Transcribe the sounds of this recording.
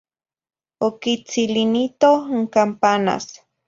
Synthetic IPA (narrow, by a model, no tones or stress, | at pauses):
okit͡silinit̪oŋkampana̰s